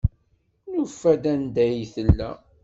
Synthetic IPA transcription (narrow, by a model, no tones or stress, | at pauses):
nufːæd̪ænd̪æjθəlːæ̰